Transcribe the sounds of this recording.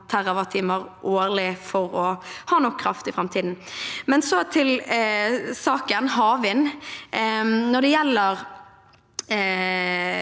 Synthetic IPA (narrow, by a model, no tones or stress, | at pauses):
t̪ʰæʁɑʋɑt̪ʰiːməʁʔoːʁlɪfɔʁɔhɑːnɔkʰːɾɑft̪ɪfʁɑmt̪ʰiːd̪n̩mɛnsɔt̪ʰɪl | sɑːkənɦɑːʋɪn | nɔɖ̪ɛjɛlːəʁ